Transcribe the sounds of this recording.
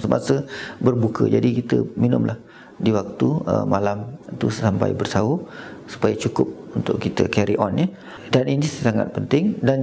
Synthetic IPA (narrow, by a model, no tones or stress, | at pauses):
səma̰səbərbukəd͡ʒadikit̪əminʊ̰mlʔah | diwak̚t̪uə̰malamt̪ussampa̰jbərsausu̥pajat͡ʃukʊp̚unt̪ʊʔkːit̪əkɛɾiʔɔnjə | daninisəsaŋa̰t̪̚pənt̪ɪŋdan